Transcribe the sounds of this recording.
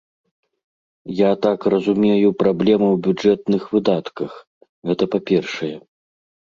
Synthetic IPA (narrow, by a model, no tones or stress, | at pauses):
jat̪akrɐzumʲejupɾablʲɛmɨwbʲud͡ʐɛt̪nɨxvɨd̪at̪kɐx | ɣɛt̪ɐpapʲɛrʂɐjɛ